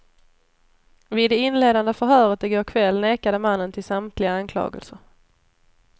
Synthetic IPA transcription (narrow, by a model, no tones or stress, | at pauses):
vɪːd̪ːɛɪnleːd̪and̪əfœɾɦœːɾət̪̚d̪ɛɡoːɾkʰvɛlːneːkad̪əmanːənt̪ʰɪlsamt̪ʰlɪɡaankʰlɑ̰ːɡə̰lsəɾ